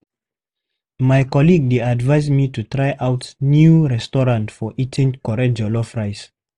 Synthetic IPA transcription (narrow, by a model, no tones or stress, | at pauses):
majkɔliɡ̚deadvaɪzmitutɹajʔawtnjuɹɛstɔɹãntfɔʔitʰĩŋkɔɹɛd͡ʒɔlɔfɹaɪs